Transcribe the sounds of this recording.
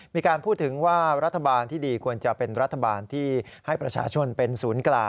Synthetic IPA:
miː˧kaː˧npʰuː˥˩t̪ʰːɯ˩˦ŋwaː˥˩ɾa˦˥t̪ʰːa˧baː˧nt̪ʰiː˥˩diː˧kʰu˧ənt͡ɕa˨˩pe˧nɾa˦˥t̪ʰːa˧baː˧nt̪ʰiː˥˩ | ha˥˩jpɾa˧t͡ɕʰa̰ː˧t͡ɕʰo˧npe˧nsuː˩˦nklaː˧

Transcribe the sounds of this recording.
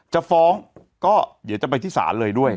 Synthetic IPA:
t͡ɕa˧˩ʔfɔː˨˦˥ŋ | kɔː˥˩d̪t͡ɕa˨˩pa˧jt̪ʰiː˥˩sa̰ː˩˦nlɤː˧jdu˥˩əj

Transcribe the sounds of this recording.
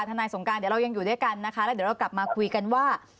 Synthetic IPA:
t̪ʰa˧naː˧jso˩˦ŋkaː˧nd̪i˨˩˦ɾa˧wja˧ŋjuː˨˩du˥˩jka˧nːa˦˥kʰa˦˥lɛ˦˥d̪i˩˦˥ɾa˧wkla˨˩p̚maː˧kʰu˧jka˧nwaː˥˩

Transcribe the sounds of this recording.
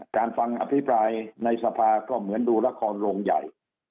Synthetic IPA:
kaː˧nfa˧ŋʔa̰˧˩pʰi˦˥pʰɾaː˧jna˧jsa˧pʰaː˧kɔː˥˩mɯ˩˦ənduː˧la˦˥kʰɔː˧nɾoː˧ŋja̰˨˩j

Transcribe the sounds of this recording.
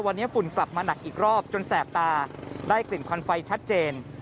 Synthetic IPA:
wa˧nːi˦˥ɐfu˨˩˦nkla˨˩p̚maː˧na˨˩k̚ʔiː˨˩k̚ɾɔː˥˩p̚t͡ɕo˧nsɛː˨˩p̚t̪aː˧daː˥˩jkli˨˩nkʰɔ˧nfa˧jt͡ɕʰa˦˥t̪̚t͡ɕeː˧n

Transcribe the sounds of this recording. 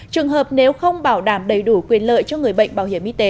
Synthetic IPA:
t͡ɕɨ˨˩əŋɦəː˨˩p̚ne˨˦wxə˧wŋ͡mɓaː˧˩wɗaː˧˩mɗə˨˩jɗu˧˩kwi˨˩ənlə̰ː˧˨jt͡ɕɔ˧ŋɨ˨˩əjɓə̰˧˨jŋ̟ɓaː˧˩whi˧˩əmʔi˧t̪e˨˦

